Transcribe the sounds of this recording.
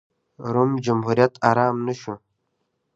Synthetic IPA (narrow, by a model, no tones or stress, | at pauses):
ɾumd͡ʒʊmɦuɾjat̪ʰaɾaːmnɨʃʊ